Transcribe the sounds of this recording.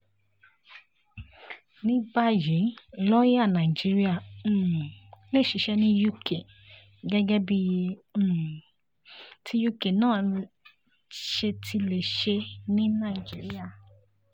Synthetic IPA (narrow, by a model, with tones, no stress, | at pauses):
nĩ˦ba˦je˨˦lɔ˦je˦a˦˨nã˨i˨d͡ʒi˦ɾi˦ã˦˨˦ | le˦˨ʃi˨˧ʃɛ˦nĩ˦ju˦kʰe˨ | ɡɛ˦ɡɛ˦bi˦je˧˦˨ | tʰi˦ju˦ke˨nãː˦˨ | ʃe˧tʰi˧le˨ʃe˧nĩ˦nã˦˨i˨d͡ʒi˦ɾi˦a˦˨